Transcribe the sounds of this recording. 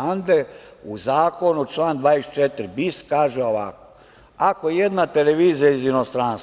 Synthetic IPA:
and̪euzaːko̞nut͡ʃlaːnd̪ʋaːest͡ʃet̪ɾibiskaːʒeoʋako | ako̞jed̪nat̪eleʋiːzijaizino̞st̪ɾans

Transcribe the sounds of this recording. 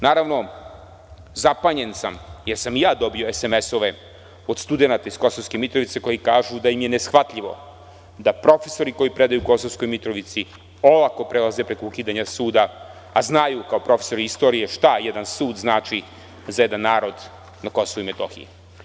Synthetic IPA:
naːɾaʋno̞ | zapaɲe̞nsamjeɾsamijaːd̪o̞bio̞eseme̞so̞ʋe̞ | od̪st̪ud̪e̞nat̪aisko̞soʋskemit̪ɾo̞ʋit̪se̞ko̞jikaːʒud̪ajimje̞ne̞sxʋat̪ʎʲiʋo̞̰ | d̪apɾo̞fe̞so̞ɾiko̞jipɾe̞d̪ajuːko̞sovsko̞jmit̪ɾo̞ʋit̪si | o̞lˠako̞pɾelˠaze̞pɾe̞koukiːd̪aɲasuːd̪aː | znajukaopɾo̞feso̞ɾiist̪o̞ːɾije̞ʃt̪ajed̪ansuːd̪znaːt͡ʃi | zajed̪anːaːɾo̞d̪ | nako̞soʋuimet̪o̞xḭji

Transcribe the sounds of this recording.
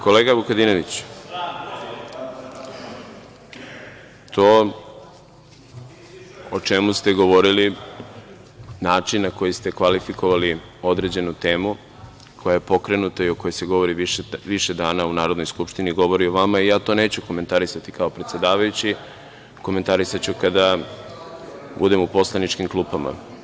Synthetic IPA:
ko̞leɡabukad̪inoʋit͡ɕ | t̪ʰoː | ot͡ʃe̞must̪e̞ɡo̞ʋo̞ɾili | naːt͡ʃinːako̞jist̪e̞kʋalifiko̞ʋali | o̞d̪ɾe̞d͡ʑe̞nut̪e̞ːmu | kʰo̞jajepo̞kɾe̞nut̪aio̞ko̞jose̞ɡo̞ʋo̞ɾiʋiʃed̪aːnaunaːɾod̪nojskupʃt̪iniɡo̞ʋo̞ɾioʋamaijaːt̪o̞ne̞ːt͡ɕuko̞me̞nt̪aɾisat̪ikao̞pɾet̪sje̞d̪aːʋajut͡ɕi | ko̞me̞nt̪aɾisat͡ɕukad̪a | bud̪e̞mupo̞slˠanit͡ʃkimklˠuːpama̰

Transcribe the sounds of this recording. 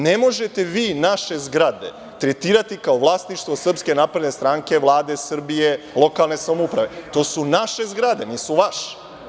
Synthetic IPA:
ne̞mo̞ʒe̞t̪e̞ʋiːnaʃe̞zɡɾad̪e̞̰ | t̪ɾet̪iːɾat̪ikaoʋlˠaːsniʃt̪ʋosr̩pske̞naːpɾe̞d̪ne̞st̪ɾaŋke̞ʋlˠaːd̪e̞sr̩bije̞ | lˠo̞kalˠne̞samoupɾaʋe̞t̪o̞ːsunaʃe̞zɡɾad̪e̞niːsuʋaʃe̥

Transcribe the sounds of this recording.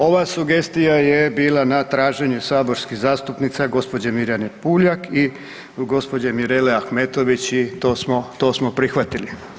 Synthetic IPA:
o̞ʋasuɡe̞st̪ijaje̞biːlˠanat̪ɾaːʒe̞ɲusaːbo̞ɾskiɣzaːst̪upnit̪saɡo̞spo̞d͡ʑemiɾjanepuːʎaki | ɡo̞spo̞d͡ʑemiɾeleaxme̞ːt̪o̞ʋit͡ɕit̪oːsmot̪o̞ːsmopɾixʋat̪ili

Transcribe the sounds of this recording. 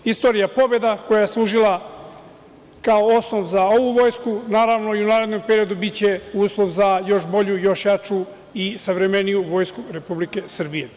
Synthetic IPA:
ist̪o̞ːɾijapo̞be̞d̪ako̞jaje̞slˠuːʒilˠa | kaoosno̞ʋzao̞ʋuʋo̞ːjskunaːɾaʋno̞iunaːɾe̞d̪no̞mpe̞ɾiod̪ubitt͡ɕe̞uːslˠo̞ʋzajo̞ʃbo̞ʎujo̞ʃjat͡ʃu | isaʋɾe̞me̞nijuʋo̞ːjskuɾe̞publike̞sr̩bije̞

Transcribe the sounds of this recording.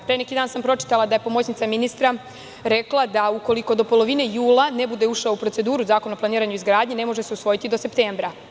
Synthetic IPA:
pɾeːnekid̪aːnsampɾo̞t͡ʃi̥t̪alˠad̪ajepo̞mo̞t͡ɕnit̪aminist̪ɾa | ɾeklˠad̪auko̞liko̞d̪o̞po̞lˠo̞ʋinejuːlˠane̞bud̪e̞uʃaoupɾo̞tse̞d̪uːɾuzaːko̞naoplˠaniːɾaɲuizɡɾaːd̪ɲene̞mo̞ʒeseusʋo̞jit̪id̪o̞se̞pt̪eːmbɾa

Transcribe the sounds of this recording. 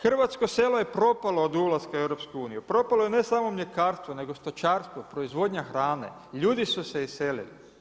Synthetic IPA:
xr̩ʋat̪sko̞se̞ːloje̞pɾo̞palˠoːd̪ulˠazkaewɾo̞pskuuːnijupɾo̞palojene̞saːmomʎe̞kaːɾst̪ʋone̞ɡo̞st̪ot͡ʃaːɾst̪ʋopɾo̞izʋo̞d̪ɲaxɾaːne̞̰ | ʎuːd̪isuseiselḭli

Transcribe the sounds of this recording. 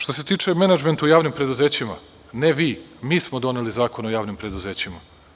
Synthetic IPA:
ʃt̪os̬e̞t̪iːt͡ʂe̞menad͡ʒment̪ujaːʋnimpɾe̞d̪uzeːt͡ɕima̰ | neʋiːmiːsmod̪o̞ne̞lizaːko̞no̞jaːʋnimpɾe̞d̪uzeːt͡ɕima

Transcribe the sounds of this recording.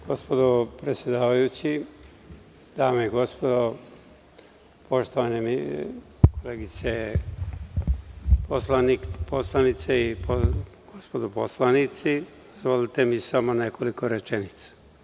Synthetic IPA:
ɡ̥ospod̪opɾe̞t̪sje̞d̪aːʋajut͡ɕi | d̪aːmeiɡo̞spod̪o | po̞ʃt̪oʋanemḭ | koleːɡit̪se | poslanikposlˠanit̪seipo | ɡ̥ospod̪opo̰slˠanit̪si | zʋalit̪emisamone̞ko̞liko̞ɾet͡ʃenit̪sḁ

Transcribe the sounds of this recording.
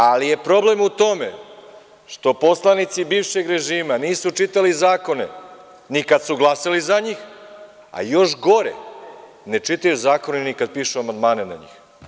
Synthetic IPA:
alije̞pɾo̞ble̞mut̪o̞me̞̰ | ʃt̪o̞po̞slˠanit̪sibiːʋʃe̞ɡɾe̞ʒiːmaniːsut͡ʂit̪alizaːko̞ne̞̰ | nikad̪suɡlˠasalizaɲix | a̰jo̞ʃɡo̞ɾḛ | net͡ʃit̪ajuzaːko̞nenikad̪̚piːʃuamand̪maːnena̰ɲḭːx

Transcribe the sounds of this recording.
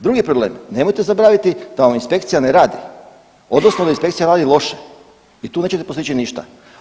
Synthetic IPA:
d̪ɾuɡipɾoble̞ːmne̞mojt̪e̞zaboɾaːʋit̪id̪aʋaminspe̞kt̪sijaneɾaːd̪i | o̞d̪no̞snod̪ainspe̞kt̪sijaɾaːd̪ilˠo̞ʃe | it̪uːne̞ːt͡ɕet̪epost̪it͡ɕiniʃt̪a̰

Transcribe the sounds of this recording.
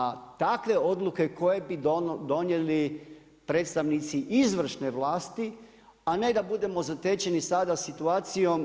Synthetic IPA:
t̪akʋe̞o̞d̪luke̞ko̞je̞bid̪o̞nje̞li | pɾe̞t̪st̪aʋnit̪siʔizʋr̩ʃne̞ʋlaːst̪i | ane̞d̪abud̪e̞mo̞zat̪et͡ɕenisad̪asit̪uaːt̪sijo̞m

